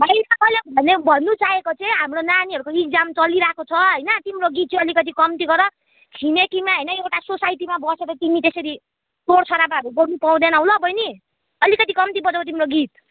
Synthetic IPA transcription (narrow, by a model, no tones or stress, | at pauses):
bʱajnakʌjlebʱʌnebʱʌnːut͡saɦekot͡sʌĩɦamɾonaniɦʌɾukoik̚d͡zamt͡sʌliɾakot͡sʰʌɦʌjnʌt̪imɾoɡit̪̚t͡sʰʌ̃ʌlikʌt̪̬ikʌmt̪iɡʌɾʌ | t͡sʰimekimaɦʌjnʌewʈasosajʈimabʌseɾʌt̪init̪esʌɾi | t̪oɽt͡sʰʌɾamaɦʌɾubʌɾnupaw̃d̪enaw̃lʌbʱʌjni | ʌlikʌt̪ikʌmt̪ibʌd͡zʌt̪̬imɾoɡit̪